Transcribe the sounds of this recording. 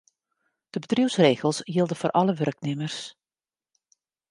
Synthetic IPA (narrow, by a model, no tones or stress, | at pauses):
d̥əbədriwsreːɣəlˠsjilˠdəvoːrʔɑləʋœrknɪmərs